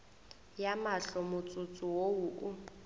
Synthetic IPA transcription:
jamaɬɔmʊt͡sʼʊt͡sʼʊwoʊʔʊ

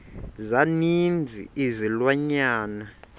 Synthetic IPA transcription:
zanind͡zʱḭizilwaɲaːna

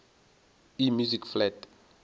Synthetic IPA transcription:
imjuzikflɛd

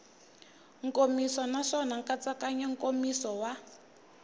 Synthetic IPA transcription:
ŋkʼomisɔnaʂɔnaŋkat͡sakaɲaŋ̩kʼomisɔwa

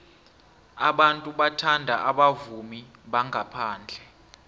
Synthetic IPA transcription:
aɓantʼuɓatʰandʱaʔaɓavumiɓaŋʱapʰaːnd͡ɮʱɛ

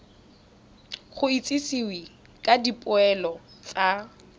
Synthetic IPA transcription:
χʊit͡sʼɪsiwi | kʼadipʼʊɛlɔt͡sʼa

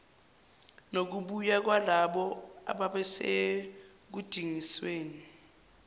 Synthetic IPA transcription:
nok̬uɓujak̬walaɓɔa̰ɓaɓɛse | k̬ud̥ʱiŋisweːni

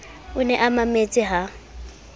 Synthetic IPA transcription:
ʊnɛʔamamet͡sʼɪɦa

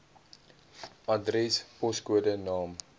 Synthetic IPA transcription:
ɐdrɛspɔskuədənɑːm

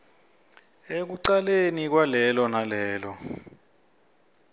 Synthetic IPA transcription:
ek̬uǀalenik̬walɛlɔnalɛːlɔ

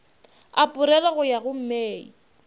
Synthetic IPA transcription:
apʼʊɾɛlaɣʊjaɣʊm̩meːḭ

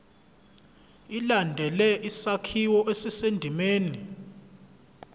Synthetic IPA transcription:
ilandʱɛlɛʔisakʰiwɔʔesisendʱimeːni

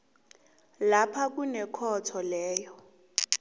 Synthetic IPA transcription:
lapʰak̬ʼunɛkʰɔtʰɔlɛːjɔ

